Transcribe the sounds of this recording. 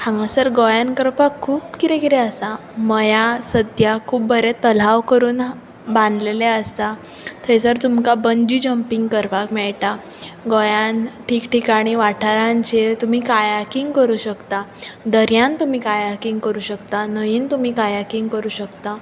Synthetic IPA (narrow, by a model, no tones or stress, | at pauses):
hãŋɡasəɾɡojankəɾpakʰːuːpkit̪ẽkit̪ɛəsa | məjasəd̪jakʰuːp̚bəɾet̪əl̤aʋkəɾuːn | bãnd̪leleəst̪a | t̪ʰəjsəɾt̪umkabəɲd͡ʑiːd͡ʑəmpiŋɡkəɾpakmɛɭʈa | ɡojanʈʰiːkʈikaɽ̃iːʋaʈʰaɾãɲt͡ɕet̪um̤iːkajakiŋɡkəɾuːɕəkt̪ad̪əɾjãnt̪um̤iːkajakiŋɡkəɾuːɕəkt̪anəjiːnt̪um̤iːkajakiŋɡkəɾuːɕəkt̪a